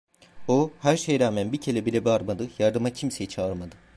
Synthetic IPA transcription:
ohæɾʃejɾaːmænbicʰelʲɛbilʲɛbiaɾmad̪ɯjaɾd̪ɯmacʰimse̞jit͡ʃʰaɯɾmad̪ɯ

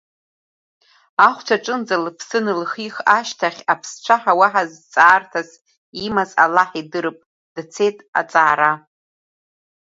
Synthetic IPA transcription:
aχʷt͡ʃʷʰaʈ͡ʂʼɨnd͡zalɨpʰsɨnɨlχixaʃtʰaχʲapʰst͡ʃʷʰaħawaħazt͡sʼaːrtʰas | imazalaħidɨɾɨpʼ | d̥t͡sʰe̞tʼa̰t͡sʼaːɾa

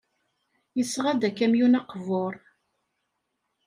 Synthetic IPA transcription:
jəsʁad̪ækːæmjunɑqvoɾˤ

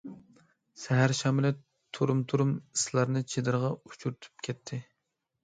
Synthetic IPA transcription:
sɛɦæɾʃɑmɪlɪ | t̪ʰuɾumt̪ʰuɾumi̥slˠɑɾnɨt͡ʃʰed̪ɨɾʁɑut͡ʃʰuɾyt̪ʰy̥p̚kʲʰɛt̪ʰːɪ

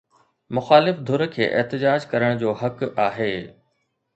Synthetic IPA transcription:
mʊxaːlɪfd̪ʱʊɾəkʰḛːʔɪ̰ɦt̪ɪd͡ʑaːd͡ʑkɐɾəɽ̃d͡ʑoːɦɐkaːɦeː

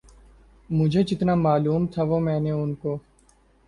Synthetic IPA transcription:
mʊd͡ʒʱed͡ʒɪt̪namaːluːmt̪ʰaʋomɛ̃ːneʊnkoː

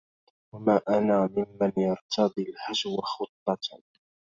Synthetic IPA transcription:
wamaːʔanaːmɪmːanjɑɾˤt̪ʰɑd̪ˤilħad͡ʒwxʊt̪ˤːɑ

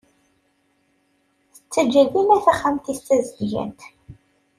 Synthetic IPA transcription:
θə̥t͡sːəd͡ʒːæðinæθæχːamt̪ist̪æzəd̪ʝæ̰nt̪

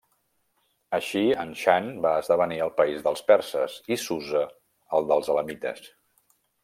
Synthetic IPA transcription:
əʃiənʃanbaəzðəβ̞əniəlˠpəizðəlˠspɛɾsəzisuzəː | lˠd̪əlˠzələmit̪ə̰s

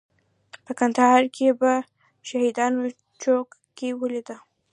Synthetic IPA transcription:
pəkand̪ahɑɾkʰeba | ʃahid̪ɑno | t͡ʃokkewəlid̪ə

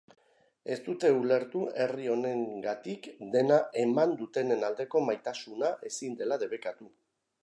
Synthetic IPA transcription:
e̞st̪ut̪e̞ule̞ɾt̪ue̞rio̞ne̞ŋɡat̪ikd̪e̞naʔe̞mand̪ut̪e̞ne̞nald̪e̞ko̞majt̪asunaʔe̞sind̪e̞laðe̞βe̞kat̪u

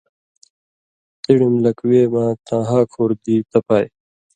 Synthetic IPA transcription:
t̪iɽumlɐkweːmãːt̪ãːɦaːkʰoːɾd̪iːt̪ɐpaːj

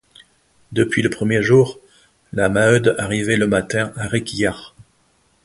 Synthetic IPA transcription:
d̪əpɥiləpχəmjeʒuːʁ | lamaød̪aʁivɛləmat̪ɛ̃ʔaʁekʲijaʁ

